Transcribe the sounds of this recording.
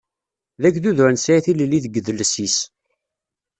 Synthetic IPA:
ðækðuðɾnsæjθiləlːiðəɡəðələsis

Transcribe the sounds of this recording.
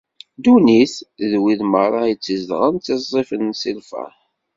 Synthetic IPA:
d̪uniθðwiðməɾˤɑjt͡sːəzd̪ʁənt̪ːɪzˤːifənsilfæ̰

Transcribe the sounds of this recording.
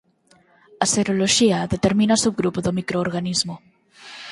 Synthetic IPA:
ɐseɾoloʃiɐðet̪eɾmĩnasuɣɾupoðomikɾoːɾɣanizmo

